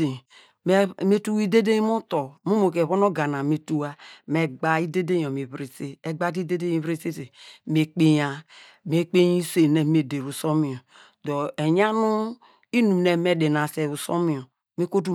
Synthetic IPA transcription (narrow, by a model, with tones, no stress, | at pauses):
e˨ | m˦me˦tu˦wi˦de˦de˦mu˦to˨mu˦mo˨ke˨βo˦no˦ɡa˨na˨me˨tu˦wa˦me˨ɡ͡ba˨i˦de˦de˦jo˨me˨βɾi˨se˦e˨ɡ͡ba˦di˦de˦de˦ji˨βɾe˦se˦se˨me˨k͡pe˦ja˦ | me˦k͡pe˦i˦se˨ne˨me˨de˨ɾu˨so˦mi˨o˨ | do˨e˨ɲa˦nu˦ | i˦nu˨mne˨me˦de˨na˨se˨u˨so˦mi˨o˨ | me˦ko˦t̬u˦